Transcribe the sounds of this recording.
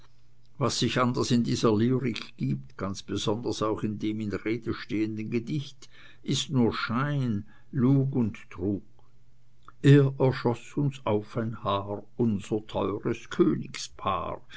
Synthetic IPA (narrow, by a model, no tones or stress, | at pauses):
vasːɪçandəsɪndiːzɐliːʁɪkɡ̥iːp̚tɡ̥ant͡sb̥ez̥ɔndəsaʊxɪndeːmɪnʁeːd̥əʃteːəndənɡədɪçt | ɪstnuːɐʃaɪn | luːɡʊnttʁuːk | eːɐʔɛɐʃɔsʊnsaʊfaɪnhaːʁʊnzətʰɔʏʁəskʰøːnɪkspʰa̰ːʁ